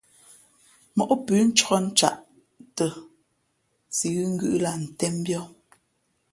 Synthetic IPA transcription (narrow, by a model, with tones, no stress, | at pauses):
mɔ˨ʔɔ˦pʉː˨˦n̩˦t͡ʃɔ˦n̩˦t͡ʃa̰˦˨ʔ | tə˨ | si˨ɣʉ˦ŋ̩˦ɡʉ̰˦ʔla˨n̩˨tɛ˦m˦bjɔ˦